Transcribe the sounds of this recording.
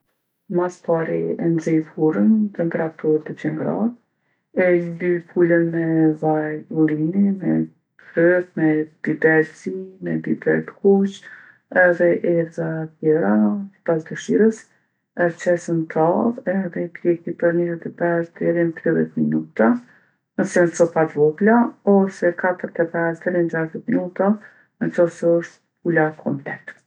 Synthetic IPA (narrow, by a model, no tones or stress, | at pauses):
maspaɾiɛnzɛjfuɾənt̪ɛmpɛɾat̪uɾt̪ət͡ɕɛŋɡɾa̰t̪̚ | ɛd̪yfʰulənmɛvajulinimɛ | tɾɛt̪mɛd̪̥id̪ɛɾsimɛd̪id̪ɛlt̪kut͡ʃ | ɛðɛʔɛɾzat̪jɛɾapazd̪əʃiɾəs | ɛɾt͡ʃɛsənt̪ʰaðɛðɛkɾɛkipəɾnizɛt̪ɛpɛsd̪ɛɾint̪ɾiðjɛt̪minut̪a | nəsɛɔnsɔpat̪bɔplaɔsɛkat̪əɾt̪ɛpɛsd̪ɛɾɛnd͡ʒaʃt̪ɛt̪minut̪a | nət͡ʃɔsɛɔʃt̪ | pulakʰɔmplɛt̪